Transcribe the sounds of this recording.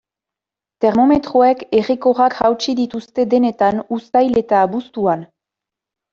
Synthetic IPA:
t̪eɾmo̞me̞t̪ɾoekeriko̞ʁakɣawt͡ʃiðit̪ust̪e̞d̪e̞ne̞t̪anust̪ajle̞t̪aːβust̪uan

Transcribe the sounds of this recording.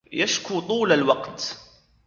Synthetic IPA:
jæʃkut̪ˤuːləlwɑqt̪

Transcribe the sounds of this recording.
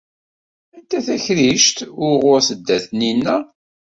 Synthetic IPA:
ænt̪æθæçɾiʃt̪ʊɾʁʊɾθəd̪ːæθninːæ

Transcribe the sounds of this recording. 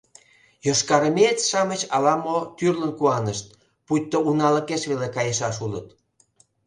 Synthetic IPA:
joʃkɑɾəmet̪ʃɑmət͡ɕɑlɑmot̪yrlənkuɑnəʃt̪̚ | put̚ʲt̪ːounɑlə̆keʃβelekɑjəʃɑʃulət̪

